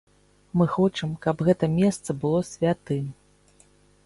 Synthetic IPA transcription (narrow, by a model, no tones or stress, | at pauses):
mɨxɔt͡ʂɐmkɐpɣɛt̪ɐmʲɛst̪sɐbɨlˠɔsʲvʲat̪ɨ